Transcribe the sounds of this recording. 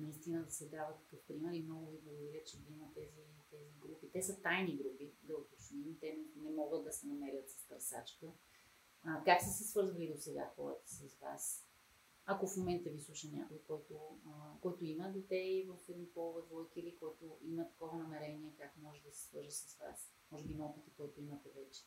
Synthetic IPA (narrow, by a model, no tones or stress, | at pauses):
nɐist̪inəd̪ɐsɛd̪avət̪t̪ɐ̥kɤfpɾimɛɾimnɔɡʊviɡovoilʲɛt͡ʃɛd̪iimɐt̪ɛzit̪ɛziɡɾupit̪ɛsət̪ajniɡɾupid̪ɐot̪osnimt̪ɛnɛmɔɡət̪̚d̪ɐsɛnɐmɛɾʲət̪sɐ̥st̪ɾɐsa̰t͡ʃkə | kaksɛsɛsvɤɾzvəlid̪osɛɡa̰xɔ̰ɾə̰t̪ə̥sɐzva̰s | ɐkofmomɛnt̪əvislˠuʃɐnʲa̰kʊikɔjt̪okɔjt̪oiməd̪ot̪ɛivəfɛd̪nipɔlˠvɛt̪vɔjkiilikɔjt̪oʔimət̪ɐ̥kɔvɐnɐmɛɾɛniɛkakmɔʒɛd̪ɐsɛ̥svɤ̰ɾʒəsɐzva̰s | mɔʒɛbiimɐɔpit̪ikɔjt̪ʊimɐt̪ɛvɛt͡ʃɛ̥